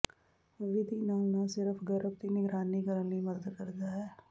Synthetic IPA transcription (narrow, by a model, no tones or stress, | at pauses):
ʋɪd̪ʱinanasɪɾəfʰɡəɾəb̚t̪inɪɡɾaːnikəɾənimɐd̪əd̪kɐɾd̪aɦɛː